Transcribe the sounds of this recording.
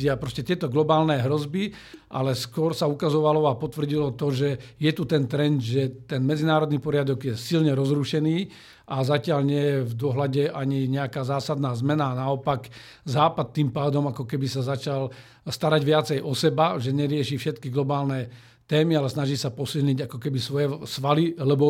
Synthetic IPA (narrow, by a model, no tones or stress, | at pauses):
apɾɔscɛt̪ɪɛt̪ɔɡlɔbaːlnɛɦɾɔzbi | ʔa̰lɛskʊɔɾsaukazɔʋalɔapɔt̪ʋrɟilɔt̪ɔʒɛjɛt̪ut̪ɛnt̪ɾɛnd̪ʒɛt̪ɛnmɛd͡zinaːɾɔd̪niːpɔɾɪad̪ɔɡjɛsilɲɛɾɔzɾuʃɛniː | ʔazacɪalɲɪɛjɛvd̪ʊɔɦlaɟɛʔaɲiɲɛakaːzaːsad̪naːzmɛnaːnaɔpak | zaːpat̪̚ːimpaːd̪ɔmakɔkɛbisazat͡ʃal | st̪aɾaɟʋɪat͡sɛjʔɔsɛbaʒɛɲɛɾɪɛʃiːfʃɛt̪kiɡlɔbaːlnɛ | t̪ɛːmialɛsnaʒiːsapɔsilɲiɟakɔkɛbisʋɔjɛsʋalilɛbɔ